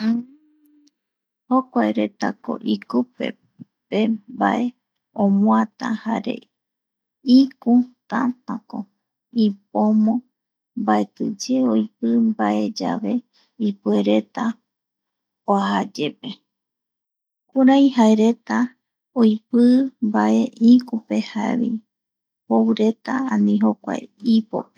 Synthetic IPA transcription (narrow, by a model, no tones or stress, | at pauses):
hokʷaeɾe̞t̪a̰ko̞̰ʔikupḛ | peba̰ʔe̞ | õmw̃ãt̪ã̰ha̰ɾe̞̰ | ikut̪ãt̪ãko | ip̚omõ | mbaet̪ɨd͡ʒeojpɨmbaʔe̞d͡ʒa̰ʋe̞ | ipueɾe̞t̪a | oaɦad͡ʒe̞pe̞ | kuɾajɦaeɾe̞t̪a | ojpɨmbaʔe̞ʔikupe̞haeβḭ | hoɾe̞t̪aãnĩɦokʷa̰jipo̰pe̥